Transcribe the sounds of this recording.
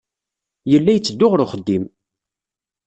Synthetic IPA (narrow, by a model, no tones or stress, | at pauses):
jəlːæjət͡sːəd̪ːʊʁɾʊχəd̪ːim